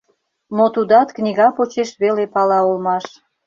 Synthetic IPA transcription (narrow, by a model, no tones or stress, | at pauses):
mot̪ud̪ɑt̪knʲiɣɑpot͡ɕeʃβelepɑlɑolmɑʃ